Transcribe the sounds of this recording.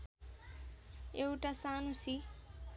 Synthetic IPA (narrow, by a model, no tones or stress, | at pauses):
ewʈasaːnusi